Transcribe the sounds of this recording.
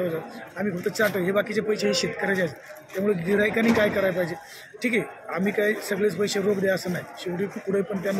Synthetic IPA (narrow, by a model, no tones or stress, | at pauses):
ʋəd͡zaamiːkʰəkt̪ət͡ɕaʈəɦebakit͡sepəjɕeɦiːɕet̪kəɾajt͡saset̪jamuɭeɡiɽajkaniːkajkəɾajpaɦid͡ʑe | ʈʰiːkeam̤iːkajsəɡɭet͡spəjɕeɾobd̪ejaəsənaɦiɕiʋɽiːkuɽ̤əpəɳt̪̬janː